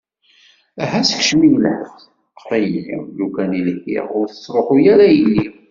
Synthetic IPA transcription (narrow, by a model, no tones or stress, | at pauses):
æɦæsə̥kʃmijlħəθ | qʰːɾæjəlːḭlukæninikːḭʁʊɾθəsˤɾˤoħujæɾæjlːi